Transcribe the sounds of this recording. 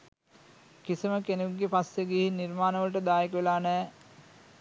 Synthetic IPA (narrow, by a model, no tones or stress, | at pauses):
kisiməkenuɡːepasjeɡeɦinirmaːnəʋəlʈ̬əd̪aːjekəʋelaːnɛː